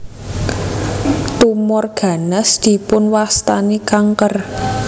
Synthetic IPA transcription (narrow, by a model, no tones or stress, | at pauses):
t̪umɔrɡ̥a̤nəsd̪̥i̤pʊnwast̪anikaŋkər